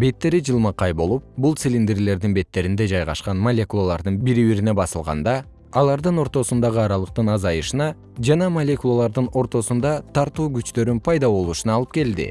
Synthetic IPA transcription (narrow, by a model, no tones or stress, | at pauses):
be̞t̪ːe̞ɾid͡ʒɯlˠmɑqɑjbo̞lˠup̚bulˠt̪silʲind̪eɾle̞ɾd̪inbe̞t̪ːe̞ɾind̪e̞d͡ʒɑjʁɑ̰ʃqɑnmɐlʲe̞kulˠalˠɑɾd̪ɯnbiɾiβiɾine̞bɑsɯlˠʁɑ̰nd̪ɑ | ɑlˠɑɾd̪ɯno̞ɾt̪o̞sund̪ɑʁɯɑɾɑlˠɯq̚t̪ɯnɑzɑjɯʃɯnɑ | d͡ʒɑnɑmɐlʲe̞kulˠalˠɑɾd̪ɯno̞ɾt̪o̞sund̪ɑt̪ʰɑɾt̪uːɡyt͡ʃt̪ø̞ɾynpʰɑjd̪ɑβo̞lˠuːʃunɑːlˠɯp̚ke̞ld̪ɪ̰